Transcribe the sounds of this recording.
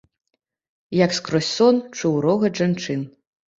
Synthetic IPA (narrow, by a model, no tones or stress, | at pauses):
jakskɾɔsʲɔnt͡ʂuwɾɔɣɐʐant͡ʂɨn